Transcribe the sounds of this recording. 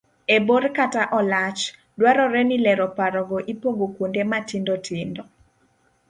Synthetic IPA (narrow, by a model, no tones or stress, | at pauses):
eborkataʔɔlat͡ʃ | dwaɾɔɾɛnilɛɾɔpaɾɔɡoʔipoɡokwondematindotʰɪndɔ